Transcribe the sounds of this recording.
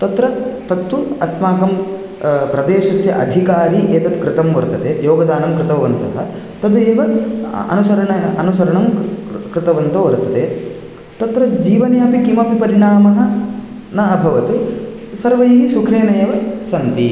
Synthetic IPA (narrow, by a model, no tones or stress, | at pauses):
t̪ɐt̪ɾɐt̪ɐt̪ːuɐsmaːkɐm | pɾɐd̪eːʃɐsjɐʔɐd̪ʱikaːɾiʔeːt̪ɐt̪kɾɪt̪ɐmʋɐɾt̪ɐd̪ejoːɡɐd̪aːnɐmkɾɪt̪ɐʋɐnt̪ɐɦɐ | t̪ɐd̪eːʋɐɐ̰nusɐɾɐɳɐɐnusɐɾɐɳɐmkɾɪt̪ɐʋɐnt̪ɐʋɐɾt̪ːɐd̪e | t̪ɐt̪ɾɐd͡ʒiːʋɐnjaːpikimɐpipɐɾiɳaːmɐɦɐ̆ | nɐɐbʱɐʋɐt̪u | sɐɾʋɐiɡisukʰeːnɐjeːʋɐsɐnt̪i